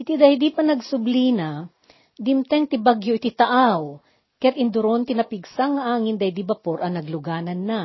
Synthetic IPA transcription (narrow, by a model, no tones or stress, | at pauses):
ʔɪt̪id̪ɐhd̪ipɐnɐɡsʊbliːnɐ | d̪ɪmt̪ɛŋt̪ɪbaɡjoʔɪt̪ɪt̪ɐʔaw | kɐjat̪ɪnd̪ʊɾont̪ɪnɐpɪɡsaŋːɐʔaːŋɪnd̪ɐjd̪ibɐpoɾʔɐŋnɐɡlʊɡaːnɐnːa